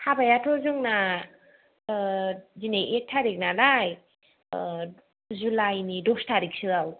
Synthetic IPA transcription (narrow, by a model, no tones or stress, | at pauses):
habajatʰɔzɯŋna | zinejʔek̚tʰaɾik̚nalaj | zulajnidɔstʰaɾik̚sɯaw